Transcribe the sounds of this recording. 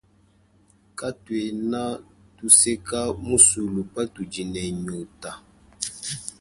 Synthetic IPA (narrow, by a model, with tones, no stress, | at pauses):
ka˦twe˨na˦tu˦se˦ka˦mu˦su˨lu˨pa˦tu˨d͡ʒi˨nɛ˨ɲo˨ta˨